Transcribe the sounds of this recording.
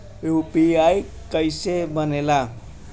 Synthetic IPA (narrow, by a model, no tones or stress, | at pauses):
jupiaj | kʌjsebʌnela